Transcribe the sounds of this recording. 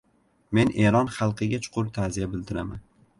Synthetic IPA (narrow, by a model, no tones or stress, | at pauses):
me̞nʔe̞ɾɒnχɑlˠqɨɡʲat͡ʃʰʊ̥qʰʊɾt̪ʰazijabɪld̪ɪɾama̰n